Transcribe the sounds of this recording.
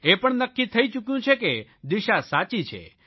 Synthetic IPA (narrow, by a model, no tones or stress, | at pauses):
epəɳnəkːit̪ʰəit͡ʃukjũt͡ʃʰeked̪iʃasat͡ʃit͡ʃʰḛ